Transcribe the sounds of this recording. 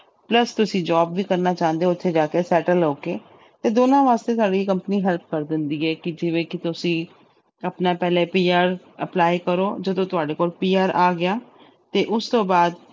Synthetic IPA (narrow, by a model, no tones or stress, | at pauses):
pləst̪ʊsĩːd͡ʒaːbʋiːkəɾnaːt͡ʃãːə̃nd̪eːʊt̪ʰːeːd͡ʒaːkeːsɛːʈəloːkeː | t̪eːd̪oːnãːʋaːst̪eːsaːɖiːkəmpəniːɦɛlp̚kəɾd̪ɪnd̪iːɛːkɪd͡ʒɪʋẽːkɪt̪ʊsĩː | əpnaːpɛːleːpiːaːɾ | əplaːikəɾoːd͡ʒəd̪õːt̪ʊaːɖeːkoːlpiːaːɾʔaːɡɪjaː | t̪eːʔʊst̪õːbaːd̪